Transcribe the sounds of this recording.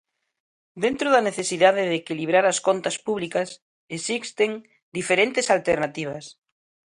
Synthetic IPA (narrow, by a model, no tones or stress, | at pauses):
d̪ent̪ɾoðaneθesiðaðeðekiliβ̞ɾaɾaskont̪aspuβ̞likas | esist̪eŋ | d̪ifeɾent̪esalt̪eɾnat̪iβ̞as